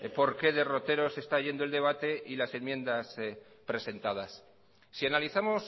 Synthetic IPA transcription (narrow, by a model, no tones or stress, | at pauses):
po̞ɾke̞ðe̞ro̞t̪e̞ɾo̞se̞st̪aʝe̞nd̪oe̞ld̪e̞β̞at̪e̞ʔilase̞nmjẽ̞nd̪as | pɾe̞se̞nt̪að̞asː | ianaliθamo̞s